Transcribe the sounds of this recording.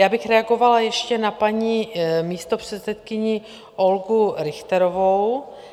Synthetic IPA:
jaːbɪxɾɛaɡo̞valajɛʃcɛnapaɲimiːst̪opr̝̥ɛt̪sɛt̪kɪɲɪ | ʔolɡuɾɪxt̪ɛɾovow

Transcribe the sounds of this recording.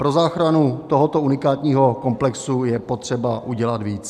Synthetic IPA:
pɾo̞zaːxɾanut̪oɦot̪ounɪkaːt̪ɲiːɦo̞ko̞mplɛksujɛpo̞t̪r̝̥ɛbaʔuɟɛlat̪viːt͡s

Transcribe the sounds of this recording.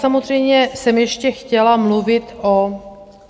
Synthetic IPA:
samozr̝ɛjmɲɛsɛmjɛʃcɛxcɛlamluvɪt̪ʔo

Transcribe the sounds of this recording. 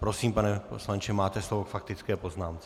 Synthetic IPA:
pɾo̞siːmpanɛposlant͡ʃɛmaːt̪ɛslovokfak̚t̪ɪt͡skɛːpo̞znaːmt͡sɛ

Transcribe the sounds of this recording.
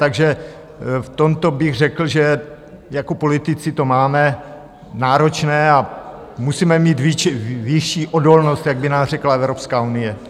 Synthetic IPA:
t̪aɡʒɛ | ft̪o̞mt̪o̞bɪɣr̝ɛkl̩ʒɛ | jako̞po̞lɪt̪ɪt͡sɪt̪o̞maːmɛ | naːɾo̞t͡ʃnɛːa | musiːmɛmiːt̪vɪvɪʃiːʔodo̞lnost̪jaɡ̚bɪnaːsr̝ɛklaɛvɾopskaːunɪjɛ

